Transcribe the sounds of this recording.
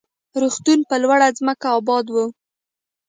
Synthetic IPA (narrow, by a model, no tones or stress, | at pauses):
ɾuxt̪unpəlwaɽazməkaɑbɑd̪wu